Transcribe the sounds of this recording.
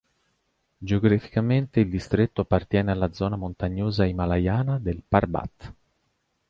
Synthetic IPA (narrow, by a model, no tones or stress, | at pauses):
d͡ʒeoɡɾafi̥kament̪eild̪ist̪ɾet̪ːoapːart̪jɛːnealːad̪zɔːnamont̪aɲːoːzaimalajaːnad̪elparba̰t̪ː